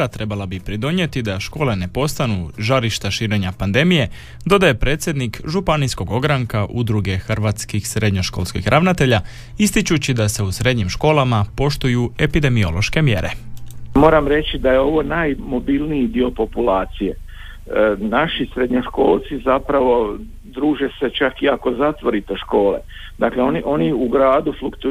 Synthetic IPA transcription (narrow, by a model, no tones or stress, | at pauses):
at̪ɾe̞balabipɾid̪o̞ɲe̞t̪id̪aʃko̞ːle̞ne̞po̞st̪anuʒaɾiʃt̪aʃiːɾe̞ɲapand̪e̞mije̞ | d̪o̞d̪aje̞pɾeːt̪sjed̪nikʒupanijsko̞ɡo̞ɡɾaŋkaʔud̪ɾuɡe̞xrʋat̪skixsɾe̞d̪ɲo̞ʃko̞̰lˠskḭxɾʔaʋnat̪e̞ʎa | ist̪it͡ɕut͡ɕid̪ase̞usɾe̞d̪ɲimʃko̞ːlˠamapo̞ʃt̪ujue̞pid̪e̞mio̞̰lˠoʃke̞mje̞̰ɾe̞̰mo̞ːɾamɾe̞t͡ɕid̪ajeo̞ʋo̞naːjmo̞bilniid̪io̞po̞pulaːt̪sije | naʃisɾed̪ɲoʃko̞ːlˠt̪sizapɾaʋo̞ | d̪ɾuːʒeset͡ʃakiako̞zat̪ʋo̞ɾit̪eʃko̞ːlḛ | d̪akleoniʔo̞niuɡɾaːd̪uflukt̪u